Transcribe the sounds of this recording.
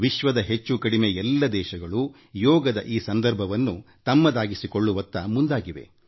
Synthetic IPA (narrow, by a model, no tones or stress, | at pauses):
ʋiʃʋɐd̪ɐɦet͡ʃːukɐɽimeɛlːɐd̪ɛːʃɐɡɐɭu | jɔːɡɐd̪ɐʔiːsɐnd̪ɐɾbʱɐʋɐnːu | t̪ɐmːɐd̪aːɡisiko̞ɭːuʋɐt̪ːɐmund̪aːɡiʋe̞̰